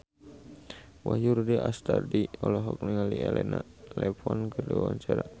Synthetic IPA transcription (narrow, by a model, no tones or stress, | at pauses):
wajuɾdiʔast̪ardiɔlɔɦɔk̚nəŋaliɛlɛna | lɛpɔnkərduawaɲt͡ʃaɾa